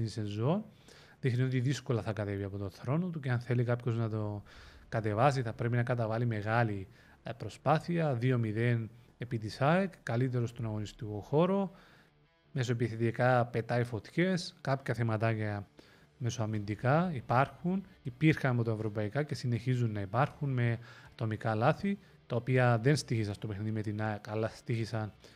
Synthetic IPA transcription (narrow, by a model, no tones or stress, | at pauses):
inisenzon | ðixnio̞t̪iðisko̞lɐθɐkɐt̪e̞viɐpo̞t̪o̞nθɾo̞not̪uceɐnθe̞likɐpço̞znɐt̪o̞kɐt̪e̞vɐsiθɐpɾe̞pinɐkɐt̪ɐvɐlime̞ɣɐli | pɾo̞spaθiɐðio̞miðen | epit̪isɐjkkːɐlit̪̬e̞ɾo̞st̪onɐɣo̞nist̪iko̞xo̞ɾo̞ | me̞s̬oepiθet̪ikɐpe̞t̪ɐifo̞t̪çe̞skɐpçɐθemɐt̪ɐcɐ | me̞soɐmind̪ikɐipɐɾxunipiɾxɐnɐpot̪ɐe̞vɾo̞pɐikɐce̞sine̞çizunːɐipɐɾxunme̞ɐt̪o̞mikɐlɐθi | t̪ɐopiɐðe̞nst̪içisɐnst̪opexniðime̞t̪inɐkɐlːɐst̪içisɐn